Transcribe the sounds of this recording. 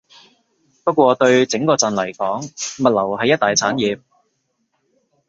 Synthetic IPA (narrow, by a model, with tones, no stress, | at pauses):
pɐ˥t̚kʷɔː˧t̪ɵ˧ɥt͡sɪ˨˥ŋkɔː˧t͡sɐ˨nlɐ˨˩jkɔː˨˥ŋmɐ˨t̚lɐ˨˩whɐ˨jɐ˥t̚t̪aː˨jt͡sʰaː˨˥njiː˨˧p̚